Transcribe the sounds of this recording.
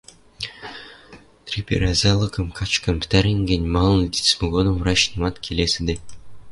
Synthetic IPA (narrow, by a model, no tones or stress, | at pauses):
t̪rʲipʲḛɾʲæzʲælˠɤ̆kɤ̆mkʰɑt͡ɕkɤ̆npɘ̥t̪æɾʲiŋɡʲenʲmɑlˠɤ̆nɤt̪ʲi̥t͡sʲmɘ̆ɡod̪ɤ̆mvɾɑɕnɤ̆mɑt̪kʲʰelʲesʲɘ̆d̪e